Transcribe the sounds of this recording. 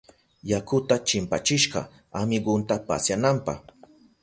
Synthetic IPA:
jakʊt̪at͡ʃɪmpa̰t͡ʃɪʃɢɑ̰ | amɪɢʊnt̪apa̰sjanampɑ̰χ

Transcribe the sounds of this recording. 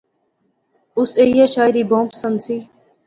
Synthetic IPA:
ʊseːjaːt͡ʃʰaːjɾiːbõːmpsənsiː

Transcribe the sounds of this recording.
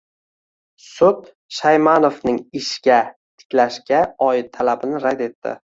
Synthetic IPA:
sʊt̪ | ʃajmanofnɪŋɪʃɡʲa | t̪ʰɪ̥kʲlaʃkʲaɒɪt̪ʰːalabɪnɪɾad̪e̞t̪ʰːɪ̰

